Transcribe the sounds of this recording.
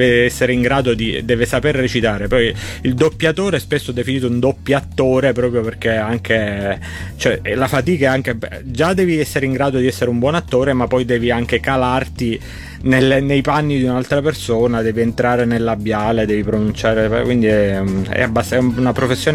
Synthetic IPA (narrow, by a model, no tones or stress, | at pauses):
veɛsːeɾeiŋɡɾaːd̪od̪ḭd̪ɛːvesaperːet͡ʃit̪aːɾepɔjild̪opːjat̪oːɾeɛspesːod̪efiniːt̪ound̪opːjaat̪ːoːɾepɾɔːpɾjoperkeaŋke | t͡ʃoɛɛlafat̪iːkaaŋk̟e | d͡ʒad̪ɛːviɛsːeɾeiŋɡɾaːd̪od̪iɛsːeɾeumbwɔːnat̪ːoːɾemapːɔjd̪ɛːviaŋk̟ekalart̪i | nelːenejpanːid̪iunalt̪ɾapersoːnad̪ɛːvient̪ɾaːɾenelːabːjaːled̪ɛːvipɾonunt͡ʃaːɾeɛkwind̪iɛuɛ̰abːasɛunapɾofesːjoː